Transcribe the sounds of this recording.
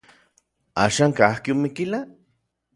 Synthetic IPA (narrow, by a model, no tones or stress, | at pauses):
a̰ːʃaːŋkahkiomikila